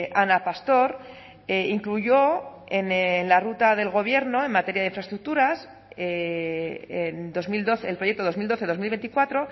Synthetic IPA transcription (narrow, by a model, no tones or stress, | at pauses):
anapast̪o̞ɾ | eiŋkluʝo̞ | ennlarut̪aðe̞lɣo̞β̞je̞ɾno̞e̞nmat̪e̞ɾjaðeiɱfɾaest̪ɾuk̚t̪uɾas | e | end̪o̞zmild̪o̞θelpɾojek̚t̪oð̞o̞zmild̪o̞θe̞ðo̞zmilβent̪ikwat̪ɾo̞